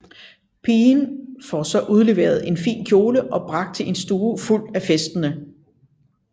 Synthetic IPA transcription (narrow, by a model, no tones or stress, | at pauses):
pʰiːnfɒsɒ̽ʔuð̞ˠle̝ʋe̝̰ɐð̩ˠe̝nfḭːnkʰjo̝ːləʔɒ̽b̥ʁɑ̈ɡ̥̚d̥̚t͡sʰe̝ʔe̝nsd̥uːful̰d̥æfesd̥ənə